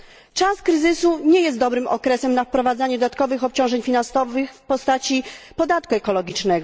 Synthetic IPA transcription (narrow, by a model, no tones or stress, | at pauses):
t͡ʂaskɾɘzɘsuɲɛjɛst̪d̪ɔbɾɘmɔ̰kɾɛsɛmnafpɾɔvad̪zaɲɛd̪ɔd̪at̪kɔvɘxɔp̚t͡ɕɔ̃w̃ʐɛɲfʲinansɔvɘxfpɔst̪at͡ɕipɔd̪at̪̚kuɛkɔlɔɡʲit͡ʂnɛɡɔ